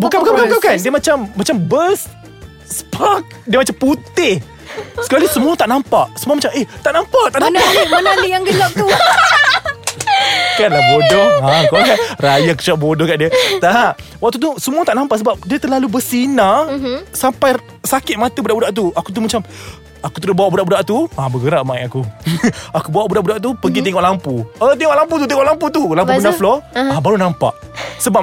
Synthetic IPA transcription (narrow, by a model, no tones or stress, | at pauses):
bukanbukabkabkakandiəmat͡ʃamːat͡ʃambəs | spak̚diəmat͡ʃamput̪ɪh | sə̥kalisəmuat̪aʔnãmpaʔsəmũamat͡ʃamʔeht̪aʔnampaʔt̪aʔnãnamənanijaŋɡəlɔʔ̚t̪u | kanlabodɔakɔakanrajaki̥t͡ʃaʔ̚bodɔhkaʔdiət̪aawak̚t̪ut̪̬usəmuat̪aʔnãmpaʔsəbap̚diət̪əlalubəsinasampaj | sakɪt̪̚mat̪abudaʔbudaʔt̪̬uakut̪̬uhmat͡ʃam | akut̪əɾʊbawaʔbudaʔbudaʔt̪uabəɡəɾaʔmainaku | akubawaʔbudaʔbudaʔt̪̬upəɡit̪iŋɔʔlampuət̪iŋɔʔlamp̬ut̪ut̪̬iŋɔʔlamput̪ulampuəndaflɔabaɾunampa̰ʔsəba